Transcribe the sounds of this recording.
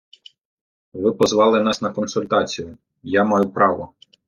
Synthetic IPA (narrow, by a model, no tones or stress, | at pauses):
ʋɪpɔzʋɑlˠɪnɑsnɐkɔnsʊlʲt̪ɑt͡sʲijʊ | jamɑjʊpɾɑʋɔ